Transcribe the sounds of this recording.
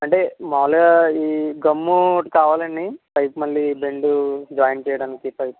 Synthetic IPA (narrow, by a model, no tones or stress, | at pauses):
ɐɳʈe̞ːmaːlɐɡɐiːɡɐmːuʈkaːʋaːlɐnipɐjpmɐlːibe̞ɳɖud͡ʒaːjnt͡ʃɛːjɐɽaːnikipɐjpu